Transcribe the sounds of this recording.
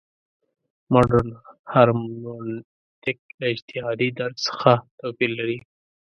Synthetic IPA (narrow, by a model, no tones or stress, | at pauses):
maɖənhaɾmmon | t̪ɪk̚lɪd͡ʒt̪ɪhɑd̪id̪aɾdsə̥xat̪opilːaɾi